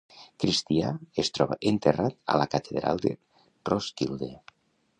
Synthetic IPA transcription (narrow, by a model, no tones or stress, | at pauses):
kɾist̪iaest̪ɾɔβa̰ʔent̪erat̪a̰lakat̪ʰeðɾa̰lˠd̪e | roskild̪e